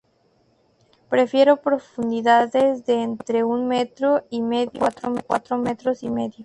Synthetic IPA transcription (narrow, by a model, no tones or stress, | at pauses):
pɾe̞fje̞ɾopɾo̞fund̪iðaðezðeːnt̪ɾe̞unmet̪ɾoimeðjot̪ɾomekwa̰t̪ɾomet̪ɾo̞sime̞ðjo